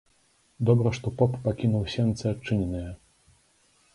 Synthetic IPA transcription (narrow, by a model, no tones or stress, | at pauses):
d̪ɔbɾɐʂt̪ɔpɔpːakʲinuwsʲɛnt̪sɛat͡ʂːɨnʲɛnɨjɛ